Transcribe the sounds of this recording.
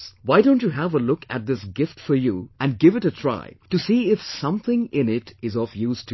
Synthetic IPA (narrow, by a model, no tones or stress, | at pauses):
swaɪdõʊ̃nt͡ʃɨɦævəlʊkɨ̰t̚d̪ɪsɡɪftfɔ˞juɨ̃nɡɪvɨɾɨtʰɹ̥a̰ɪtɨsiɪfsʌ̃mθɪ̃ŋɪ̃nɪtɪzɔfjuːztʰ